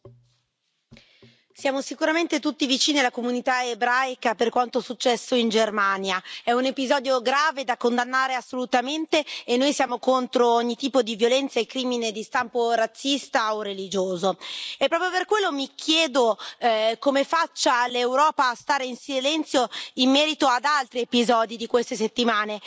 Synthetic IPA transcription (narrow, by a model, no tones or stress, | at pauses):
sjaːmosikuɾament̪et̪ut̪ːivit͡ʃiːnialakomunit̪aebɾajkaperkwant̪osut͡ʃːɛsːoind͡ʒermaːnjaɛunepizɔːd̪joɡɾaːved̪akːond̪anːaːɾeasːolut̪ament̪eːnːojsjaːmokont̪ɾooɲːit̪iːpod̪ivjolɛnt̪saekːɾiːmined̪ist̪ampoɾat̪sːist̪aorːelid͡ʒoːzoepːɾɔːpɾjoperkwelːomikʰjɛːd̪o | komefat͡ʃːalewɾɔːpaːst̪aːɾeinsilɛnt̪sjoimːɛːɾit̪oad̪alt̪ɾiepizɔːd̪id̪ikwest̪eset̪ːimaːne